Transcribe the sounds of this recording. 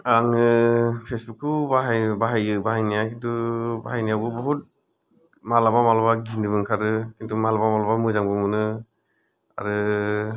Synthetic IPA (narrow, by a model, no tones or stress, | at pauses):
aŋɯpʰesbukːɯbaɦbaɦajɯbaɦajnijakintʰuba̰ɦajnijawbɯbɔɦut̚ | malamamalbaɡindɯbɯŋkʰaɾɯkintʰumalamamalɔbamɯzaŋbɯmɯnɯ | a̰ɾɯ